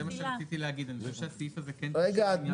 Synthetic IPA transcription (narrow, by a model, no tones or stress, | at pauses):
emaʃeat͡st͡sit̪ileaɡid̪anizeʃeasifazekenʁeɡaːd̪m